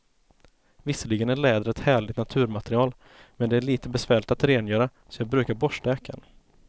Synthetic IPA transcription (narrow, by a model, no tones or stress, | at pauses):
vɪsːəlɪɡənæɭɛːd̪əɾɛt̪hæːɭɪɡ̚t̪nat̪ʰʉ̟ːɾmat̪ɾɪɑːl | mɛnd̪ɛæɭiːt̪əbɛsvæːɭɪt̪at̪ɾeːnjœːɾa | sɔjɑːɡbɾʉ̟ːkaɾbɔʂʈaøːkʰa̰n